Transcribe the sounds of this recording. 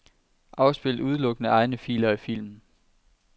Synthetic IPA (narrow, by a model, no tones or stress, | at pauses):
ʔɑ̈ʊsb̥e̝l̰d̥uð̞ˠlɔ̽ɡ̥ənəʔɑ̈ɪnəfḭːlɐifil̰mn̩